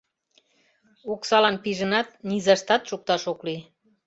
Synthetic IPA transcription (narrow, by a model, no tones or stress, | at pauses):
uksɑlɑnpiʒənɑt̪̚nizɑʃt̪ɑt̪ʃuk̚t̪ɑʃokli